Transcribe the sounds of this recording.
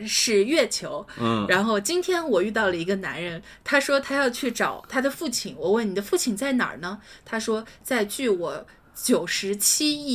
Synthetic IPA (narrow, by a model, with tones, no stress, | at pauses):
ʂɻ̩˥˧ɥɛ˥˩t͡ɕʰjo˧˥ʊ˩ɻa˧˥nxo˥˩ʊt͡ɕi˥nt̪ʰjɛ˥nwɔ˨˩y˥˧t̪ɑ˥˩ʊlə˩i˧˥ɡə˧na̰˧˥nɻə˧˥n | t̪ʰa˥ʂwɔ˥t̪ʰa˥jɑ˥˧ʊt͡ɕʰy˥˩ʈ͡ʂɑ˨˩˦ʊt̪ʰa˥d̪ə˨fu˥˩t͡ɕʰi˧˩ŋwɔ˨˩we˥˩ɪni˨˩d̪ə˦fu˥˩t͡ɕʰi˨˩ŋt͡sa˥˩ɪnɑ̰˨˩nə˦t̪ʰa˥ʂwɔ˥t͡sa˥˧ɪt͡ɕy˥˩wɔ˨˩˦ | t͡ɕjo˨˩ʊʂɻ̩˧˥t͡ɕʰi˥i˥˩